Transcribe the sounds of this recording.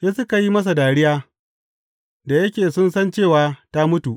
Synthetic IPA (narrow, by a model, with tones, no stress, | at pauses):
jɐ˦sʊ˦ka˨ji˦mɐ˦s̬a˨daː˨ɽɪ˦jaː˦ | da˨jɐ˦kʲeː˨sʊ˦nsɐ˦nt͡ʃeː˦˨waː˨˦ta˦mʊ˦tu˨ʔ